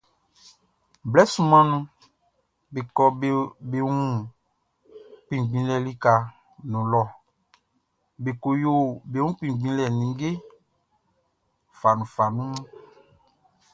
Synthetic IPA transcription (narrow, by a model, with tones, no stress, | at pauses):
blɛ˦sũ˨mã˦nũ˦ | be˨kɔ˨˦be˨wũ˦ | k͡pĩ˨ɡ͡bĩ˨˦lɛ˨li˦ka˨ | nũ˨lɔ˦˨ | be˨ko˨jo˦˨be˨wũ˦k͡pĩ˨ɡ͡bĩ˦lɛ˨nĩ˨˦ɡe˦ | fa˨nũ˨fa˨nũ˦mũ˦